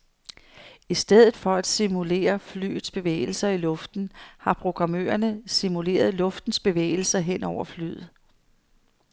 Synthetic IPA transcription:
isd̥eð̞̰ˠð̩ˠfɒ̽æd̥simule̝̰ːɐfly̰ːð̩ˠsb̥e̝ʋḛːɪl̩sɐilɔ̽fd̥n̩hɑ̈pʰʁo̝ɡ̥ʁɑ̈mø̰ːɐnəsimule̝̰ːɐð̞ˠlɔ̽fd̥n̩sb̥e̝ʋḛːɪl̩sɐɦen̰ɒʊ̰ɐfly̰ð̩ˠ

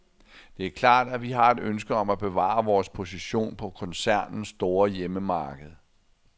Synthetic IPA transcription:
d̥e̝æɐkʰlɑ̰̈ːd̥æʋiɦɑ̈e̝d̥ønsɡ̥əɒ̽mæb̥e̝ʋɑ̰̈ɐʋɒːspʰo̝siɕo̝̰ːnpʰɒ̽kʰɒ̽nsæɐ̰nn̩sd̥o̝ːɐjeməmɑːɡ̥əð̞̩ˠ

